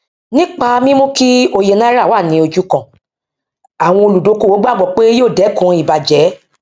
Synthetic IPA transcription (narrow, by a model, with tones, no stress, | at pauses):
nĩ˦k͡pa˧mĩ˦mõ˦ki˦o˧je˧nã˦ɾa˦˨wa˦˨nĩ˨˧o˧d͡ʒu˦kã˨ | a˨w̃ɔ̃˧o˧lu˨do˨˦ko˦˨wo˨˦ɡ͡ba˦˨ɡ͡bɔ˨k͡pe˦joː˦˨dɛ˨˦kũ˨˧˦i˨ba˨d͡ʒɛ˨˦